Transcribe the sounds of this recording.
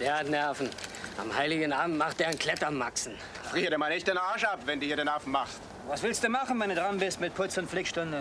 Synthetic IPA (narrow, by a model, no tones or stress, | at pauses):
d̥eːɐatnɛɐfn̩ʔa̰mhaɪlɪɡn̩ʔaːbm̩tmaχt̚d̥eːɐankʰl̥ɛtɐmːaksn̩ | fʁiːɐdeːmalnɪçt̚d̥enaɐʃapv̥ɛnduːiɐɾeːnɛɐfn̩maχst | vasv̥ɪlstd̥uːmaχn̩vɛnduːdʁanbɪstmɪt̚pʰʊt͡sʊntflɪkʃtʊndə